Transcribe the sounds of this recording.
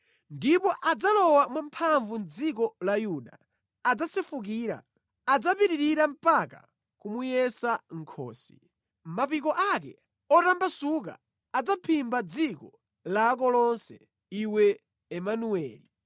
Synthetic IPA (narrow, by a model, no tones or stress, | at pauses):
ndipɔʔad͡zalɔwamwampʰaɱvun̩d͡zikɔlajuɗa̰ː | d͡zasɛfuk̬iːɾa̰ | ad͡zapiɾiɾiɾam̩paka̰ | kumujɛsaŋ̩kʰɔ̰ːsi̥̰ | mapikɔʔak̬ɛ̰ | ɔtambasuk̬a̰ː | d͡zapʰimbad͡zikɔ | laːk̬ɔlɔnsɛ̰ | iwɛː | manuɛ̰ːli